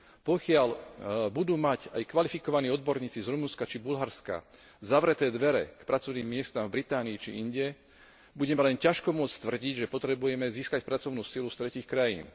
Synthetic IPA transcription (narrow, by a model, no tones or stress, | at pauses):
pɔkɪalbud̪uːmacajkʋalifikɔʋaniːɔd̪̚bɔɾɲiːt͡sizɾumunskat͡ʃibulɦaɾska̰ | zaʋɾɛt̪ɛːd̪ʋɛɾɛ̰kpɾʔat͡sɔʋniːmːɪɛst̪aːmvbɾit̪aːniit͡ʃḭiɲɟɛ | buɟɛmɛlɛncaʃkɔmʊɔt͡st̪ʋr̩ɟiɟʒɛpɔt̪ɾɛbujɛmɛziːskacpɾat͡sɔʊnuːsilust̪ɾɛciːxkɾajḭːn